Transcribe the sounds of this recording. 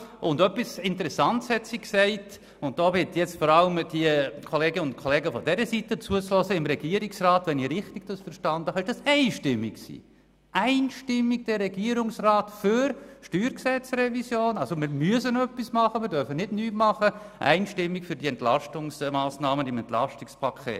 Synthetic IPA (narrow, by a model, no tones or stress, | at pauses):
ʔʊndœpisɪntəɾɛsɑntshɛtsiksɛɪt | ʊnt̚d̥oːvɪtjɛt͡stfɔɾɑləmd̥iəkʰɔleːɡəʊnt̚kʰɔlɛːɡəfɔdɛɾəsitət͡suət͡slɔsəɪmɾɛɡ̥iːəɾɪksrɑːtʋɛniɾɪχtɪɡ̥d̥ɑsfəɾʃtɑnd̥əhɑɪʃd̥ɑsɛɪʃtɪmːɪkksḭː | ʔæɪnʃtɪmːiɡ̚d̥ɛrːɛɡ̥iəɾʊŋsraːtfʏɾʃtyːɾksɛt͡srɛvisjoːnɑlsomɪɾmyəsənœpːismɑχəmɪɾdœɾfənɪdnyːtmɑχə | ʔæ̰ɪnʃtɪmːikfʏɾdiɛntlɑʃtʊŋsmɑːsnɑːməɪmɛnt̪lɑ̰ʃtɪkspʰɑkʰḛːt